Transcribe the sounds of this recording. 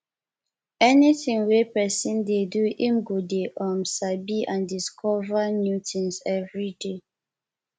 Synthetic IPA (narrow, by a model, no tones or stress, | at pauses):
ɛniθĩŋwepɛsĩndeduʔĩmɡudeʔɔ̃msabiʔãndiskʰɔvamjutĩnsɛvɹide